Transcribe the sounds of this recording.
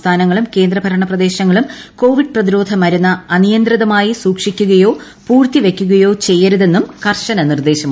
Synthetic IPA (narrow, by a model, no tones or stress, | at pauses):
t̪ʰaːnɐŋːɐɭumke̞ːnd̪rɐbʱɐɾɐɳɐprɐd̪e̞ːɕɐŋːɐɭumko̞ːʋiɖ̚prɐðiɾo̞ːd̪ʱɐmɐɾunːɐɐnijɐnd̪riðɐmaːjisuːkʂikʲːuɣɐjo̞ː | puːrt̪iʋe̞kʲːuɣɐjo̞ːt͡ɕe̞jːɐɾuðe̞nːumkɐrʂɐnɐnird̪e̞ːɕɐm